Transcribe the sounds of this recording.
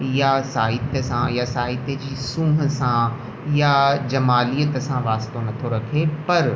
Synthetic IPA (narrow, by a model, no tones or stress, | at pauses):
jaːsaːɦɪt̪esãjasaːɦɪt̪ed͡ʒiːsũːɦsãː | jaːd͡ʒɐmaːlijət̪ɐsãʋaːst̪onɐt̪ʰoɾɐkʰeːpɐɾ